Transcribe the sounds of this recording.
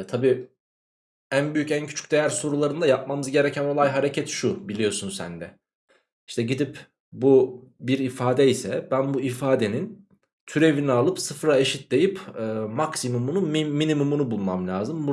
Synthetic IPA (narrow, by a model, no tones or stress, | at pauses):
t̪ʰabiː | ænbyjycæncʰyt͡ʃʰy̥c̚ʲd̪e̞jæɾso̞ɾulˠaɾɯnd̪ajap̚mamɯzɟe̞ɾɛcʰæno̞lˠajɦaɾecʰɛt̪ʃubilʲijo̞sunsæ̰nd̪ɛ | iʃt̪ʰɛɟid̪ip | bubiɾifaːd̪ɛisɛbænbuifaːd̪e̞nin | t̪ʰyɾe̞vinialˠɯpsɯfɾaeʃit̪̚d̪e̞jipɯːmaksimumunumiminimumunubulˠmamlʲaːzɯmbu